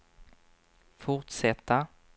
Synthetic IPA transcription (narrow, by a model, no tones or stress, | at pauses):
fʊʁʈʂɛt̪ːa